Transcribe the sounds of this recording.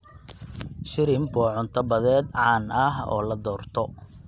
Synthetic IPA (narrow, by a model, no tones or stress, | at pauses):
ʃɪɾɪmbɔːʕʊnt̪ʰɐbɐðɛːd̪ʕɑːnɐɦɔ̰ːlɐd̪ɔːrt̪ʰɔ